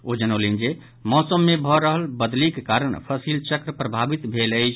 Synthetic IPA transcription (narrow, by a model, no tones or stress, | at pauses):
od͡ʒənəlind͡ʒe | mɔsəmːebʱɔɾəɦəlbəd̪likekaɾəɳpʰəsilt͡ʃəkɾəpɾəbʱabit̪bʱeləjt͡ʃʰ